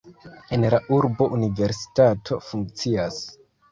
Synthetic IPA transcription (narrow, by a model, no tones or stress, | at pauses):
e̞nlaʔuɾbo̞ʔunive̞ɾsi̥tatʰo̞fuŋk̚t͡sias